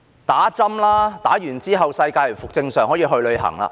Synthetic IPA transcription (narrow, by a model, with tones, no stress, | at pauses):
t̪aː˨˥t͡sɐ˥mlaː˥t̪aː˨˥jyː˨˩nt͡siː˥ɦɐ˨wsɐ˧jkaː˧jlfʊ˨k̚t͡sɪ˧ŋsœː˨ŋɦɔː˨˥jiː˧ɦɵ˧lɵ˧ɥɦɐ̰˨˩ŋla̰ː˧